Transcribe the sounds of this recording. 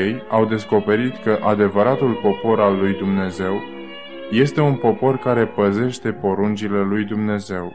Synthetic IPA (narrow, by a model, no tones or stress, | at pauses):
ejawd̪e̞sko̞pe̞ɾit̪kəʔad̪e̞vəɾat̪ulpo̞po̞ɾalːujd̪umne̞ze̞w | je̞st̪e̞unpo̞po̞rkaɾe̞pəze̞ʃt̪e̞po̞ɾunt͡ʃile̞lujd̪umne̞ze̞w